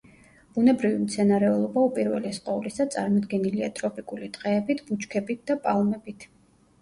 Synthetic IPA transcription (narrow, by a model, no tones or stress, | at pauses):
b̥unɛbɾivimt̪sʰɛnaɾɛulˠɔbaupʼiɾvɛ̰liɛsqʼɔulisat̪sʼaɾmɔd̪ɡɛniliat̪ʼɾɔpʼikʼulit̪ʼqʼɛːbit̪ʰb̥ut͡ʃkʰɛbit̪̚d̪̥apʼalˠmɛbit̪ʰ